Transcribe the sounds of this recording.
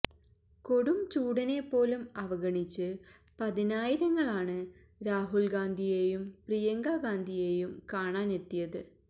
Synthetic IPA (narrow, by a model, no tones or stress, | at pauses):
ko̞ɽumt͡ɕuːɽɐnepːo̞ːlumɐʋɐɡɐɳit͡ɕːɨ | pɐðinaːjiɾɐŋːɐɭaːɳɨ | ɾaːɦulɡaːnd̪ʱijeːjumprijɐŋɡaːɡaːnd̪ʱije̞ːjumkaːɳaːne̞t̪ːijɐðɨ